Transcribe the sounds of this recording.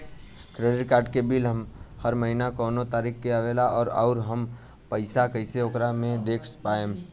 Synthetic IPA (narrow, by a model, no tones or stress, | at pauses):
kɾeːɖɪʈkaːɾɖ̚kebilɦəmhəɾməɦinakɔːnot̪aːɾiːkkeəʋeːlaʔɔːɾɔ̰ːɾɦəm | pəɪsakəɪseoːkɾamẽd̪eːkʰpaːe